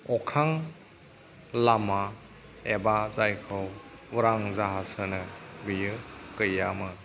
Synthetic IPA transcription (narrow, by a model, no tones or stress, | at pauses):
ɔkʰaŋ | lama | ebazajkʰɯwuɾaŋzaɦasɯnɯɡɯjɯkɯjamɯ